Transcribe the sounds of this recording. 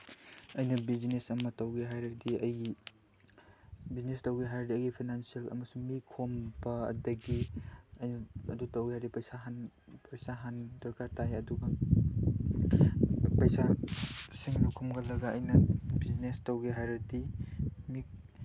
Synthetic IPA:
ɐjnɐbizinesɐmɐtɐwɡeɦajɾɐdiɐjɡi | biznestɐwɡiɦajɾɐdiɐjɡipʰinansijelɐ̰mɐsuŋmikʰombɐ̰ːdɐɡiɐjnɐɐdutɐwɡiɦajdipɐjsaɦanpɐjsaɦandɔɾkaɾtajɐduɡɐ | pɐjsasiŋbɐkʰomɡɐlɐɡɐɐjnɐbiznestɐwɡeɦajɾɐdimik̚

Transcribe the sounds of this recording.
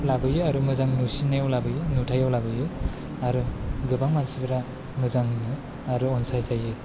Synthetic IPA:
labɯjɯaɾumɯzaŋnusinajawlabɯjɯnutʰajawlabɯjɯ | aɾɯɡɯbaŋmansibɯɾa | mɯzaŋɯnɯ | aɾɯɔnsajzajɯ

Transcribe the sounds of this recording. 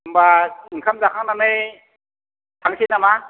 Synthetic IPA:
ɯmbaɯŋkʰamzakʰaŋnanɯj | tʰaŋsʰinama

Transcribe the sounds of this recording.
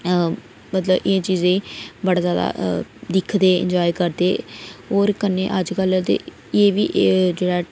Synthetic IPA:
mət̪ləbɪẽːt͡ʃiːzẽːbəɽaːzjaːd̪a̰ːd̪ɪkʰd̪eːɪ̰̃ɲd͡ʒaːiːkəɾd̪eːɦoːɾkəneːʔəd͡ʒkəlt̪ḛː | eːʋiːd͡ʒeːɽaː

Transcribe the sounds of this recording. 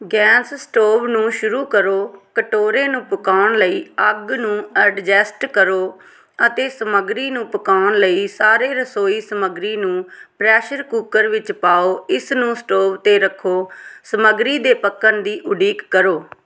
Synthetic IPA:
ɡɛ̃ːsːʈoːʋnũːʃʊɾuːkəɾoːkəʈoːɾẽːnũːpəkaːʊɳləiːəɡnũːəɖd͡ʒɛːsʈkəɾoː | ət̪eːsəməɡɾiːnũːpəkaːʊɳləiːsaːɾeːɾəsoːiːsəməɡɾiːnũːpɾɛːʃəɾkuːkəɾʋɪt͡ʃpaːoːɪsnũːsʈoːʋt̪eːɾəkʰoːsəməɡɾiːd̪eːpəkːənd̪iːʔʊɖiːkːəɾoː

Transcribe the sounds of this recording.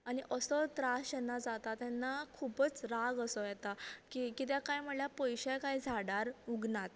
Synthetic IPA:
aniʔəsɔt̪ɾasɕɛnːad͡zat̪at̪ɛnːakʰupət͡sɾaɡəsɔjɛt̪akikit̪jakajm̤əɽljapəjɕajkaid͡zʱaɽaɾuɡnat̪

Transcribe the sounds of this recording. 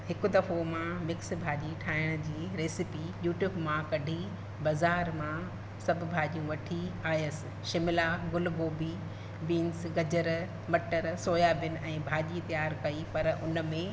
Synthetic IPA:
hɪkʊ̆d̪ɐfomãmɪks̆bʱaːʄiʈʰaːɪɽ̃d͡ʑiːɾeːsɪpijuːʈjuːbmãkɐɖʱi | bɐzaːɾmã | sɐbʱʊbʱaːʄijũʋɐʈʰiaːjəsɪ̥̆ʃɪmɪlaːɡʊlɡoːbi | ʋiːnsɡɐd͡ʑəɾ | mɐʈəɾsoːjaːbɪnɪ̆ʔɛ̃ːbʱaːʄit̪ijaːɾkɐipɐɾʊnə̆mẽ

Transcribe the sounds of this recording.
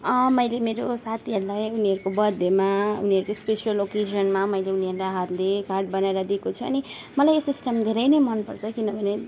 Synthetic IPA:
ʌmʌjlemeɾosat̪ʰiɦʌɾulajuniɦʌɾukobʌd̪ʱːemaṵniʌɾukospesiʌloked͡ʒʌnmamʌjleuniʌɾulaɦʌɾlekarʈ̚bʌnaeɾʌd̪iekot͡sʰuʌ̰ni | mʌlajesisʈʌmd̪ʱeɾʌjnʌjmʌnpʌrt͡sʰʌkinʌbʱʌne

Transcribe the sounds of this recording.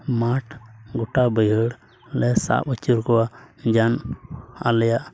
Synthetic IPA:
maʈʰɡɔʈabəjəɽ | lɛsa̰ʔət͡ʃuɾkɔwad͡ʒana̰lɛjaʔ

